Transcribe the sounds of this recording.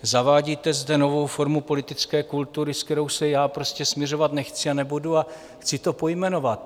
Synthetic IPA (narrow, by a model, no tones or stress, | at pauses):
zavaːɟit̪ɛzdɛno̞vo̞wfo̞ɾmupo̞lɪt̪ɪt͡skɛːkult̪uɾɪskt̪ɛɾo̞wsɛjaːpɾo̞scɛsmɲɛro̞vat̪nɛxt͡sɪanɛbudua | xt͡sɪt̪o̞po̞jmɛno̞vat̪